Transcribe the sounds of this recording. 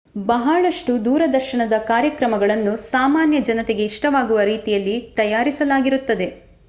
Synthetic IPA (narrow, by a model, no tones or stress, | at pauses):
bɐɦɐɭɐʂʈud̪uːɾɐd̪ɐɾʃɐɳɐd̪ɐkaːɾjɐkɾɐmɐɡɐɭɐnːusaːmaːnjɐd͡ʒɐnɐt̪e̞ɡe̞iʂʈɐʋaːɡuʋɐɾiːt̪ijɐlːit̪ɐjaːɾisɐlaːɡiɾut̪ːɐd̪e̞